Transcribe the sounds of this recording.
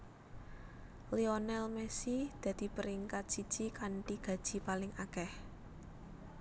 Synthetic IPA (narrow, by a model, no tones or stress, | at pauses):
lionɛlmɛsid̪̥ä̤d̪̥i̤pəɾiŋkat̪̚sid̥ʒ̥ikaɳʈiɡ̥ä̤d̥ʒ̥i̤palɪŋakɛh